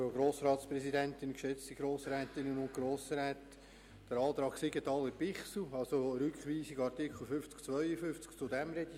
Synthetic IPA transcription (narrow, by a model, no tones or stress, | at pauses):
oɡɾoːsɾɑːtspɾɛsidæntɪnkʃɛt͡stiɡ̥ɾoːsɾɛːt̪ɪnənʊnt̚ɡ̥ɾoːsɾɛːt | d̥əɾɑːt̪ɾɑːksɪɡətɑləɾpɪχsl̩ɑlsoɾʏkχʋiːsiɡɑrtɪkχl̩ˠfʏft͡skt͡sʋœʏəfʏft͡skt͡sʊdɛmɾɛd̥i